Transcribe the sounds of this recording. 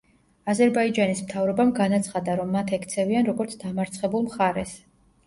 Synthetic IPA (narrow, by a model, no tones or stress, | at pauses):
azɛɾbaid͡ʒanismt̪ʰavɾɔbamɡanat̪sʰχad̪aɾɔmːat̪ʰɛkʰt̪sʰɛvianɾɔɡɔɾt̪sʰd̪amaɾt̪sʰχɛbulˠmχaɾɛs